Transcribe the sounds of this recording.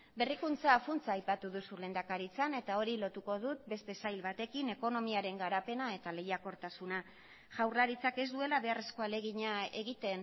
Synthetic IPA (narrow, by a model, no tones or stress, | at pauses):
be̞rikunt͡saːfunt͡saːjpat̪uðusule̞ːnd̪akaɾit͡sane̞t̪ao̞ɾilo̞t̪uko̞ðut̪̚be̞st̪e̞sajlβat̪e̞kine̞ko̞no̞miaɾe̞ŋɡaɾape̞nae̞t̪ale̞jako̞ɾt̪asuna | ʝawrlaɾit͡sake̞zd̪ue̞laβe̞are̞sko̞ale̞ɣ̞iɲae̞ɣit̪e̞n